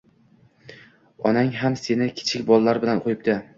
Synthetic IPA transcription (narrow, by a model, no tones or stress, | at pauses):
ɒnaŋɦamse̞nɪkʲʰɪ̥t͡ʃʰɪkʲbɒlˠːaɾbɪlanqʰojɪp̚d̪ɪ